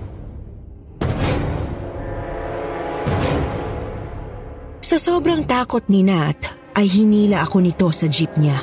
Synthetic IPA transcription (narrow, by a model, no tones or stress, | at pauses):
sɐsoːbɾɐŋt̪aːkot̪̚nɪnat̪ | ʔɐjɦɪniːlɐʔɐko̞nɪt̪o̞sɐd͡ʒip̚ɲa